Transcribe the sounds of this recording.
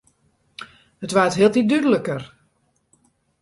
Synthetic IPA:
hətʋatɦiəlˠtit̚dydələkər

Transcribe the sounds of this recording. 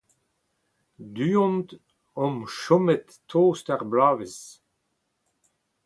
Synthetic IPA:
d̪yːɔ̃nt̪ | ɔmʃɔmɛt̪ʰː | oːst̪aʁblaːvis

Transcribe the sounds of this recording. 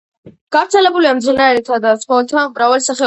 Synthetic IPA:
ɡ̥avɾt̪sʰɛlɛbuliamd̪zinaɛɾɛt̪ʰad̪asχɔlt̪ʰamɾavalsaχɛ

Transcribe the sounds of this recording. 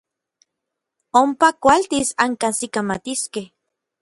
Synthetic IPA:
ompakʷalt̪isaŋkansikamat̪iskeh

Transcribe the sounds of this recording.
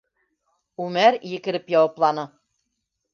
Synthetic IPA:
umæɾjɘ̆kɘ̆ɾɘ̆pjɑwɑplˠɑnɤ̆

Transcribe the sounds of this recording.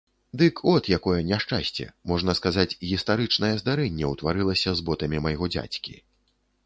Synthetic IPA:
d̪ɨkʰɔt̪jakɔjɛnʲɛʂt͡ʂa̰sʲt͡sʲɛ̰mɔʐnɐskazat͡sʲɣʲist̪aɾɨt͡ʂnɐjɛzd̪aɾɛnʲːɛwt̪vaɾɨlˠɐsʲɐzbɔt̪ɐmʲimɐjɣɔd͡zʲa̰t͡sʲkʲḭ

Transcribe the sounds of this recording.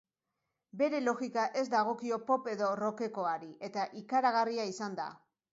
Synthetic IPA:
be̞ɾe̞lo̞ɣikaʔe̞zd̪aɣ̞o̞kio̞po̞pe̞ðo̞ro̞ke̞ko̞aɾiʔe̞t̪aʔikaɾaɣ̞ariaisand̪a̰

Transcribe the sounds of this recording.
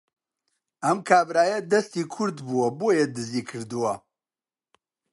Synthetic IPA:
ɐmkʰaːbɾaːjɐd̪ɐst̪iːkʰʊɾd̪buwɐboːjed̪ɨziːkʰɨɾd̪uwɐ

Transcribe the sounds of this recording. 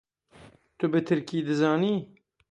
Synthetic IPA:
t̪ʊbɨt̪ʰɨɾkiːd̪ɨzɑːniː

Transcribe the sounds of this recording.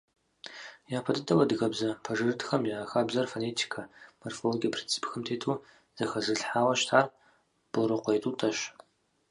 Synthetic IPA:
jaːpʰɐdɨtʰʼɐwɐdɨɣɐbzɐpʰɐʐɨrɨtxɐmjaːxaːbzɐrfonetʰi̥kʰamorfoloɡʲijɐpʰrint͡sʰi̥pxɐmtʰeːtʰuː | z̥ɐxɐzɨɬħaːwɐʃtʰar | b̥oɾɨqʷejtʰʼutʰɐʃ

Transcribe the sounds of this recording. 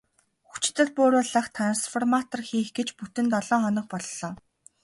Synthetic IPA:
xu̥t͡ɕɪ̥̆t̪ɘ̆ɮpʊːɾʊːɮə̆χt̪ʰan̆sfɔrmat̪ə̆rxiːxɡet͡ɕput̪ɘ̆nt̪ɔɮɔːχɔnɞ̆χ̚pɔɮɮɔː

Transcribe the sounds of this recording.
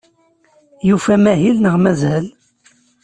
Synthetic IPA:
jufæmæɦilnəʁmæzhəl

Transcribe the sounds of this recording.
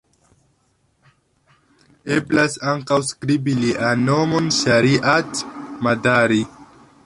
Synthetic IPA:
eblasaŋkawskɾibiliʔanomonʃaɾiʔatmadaɾi

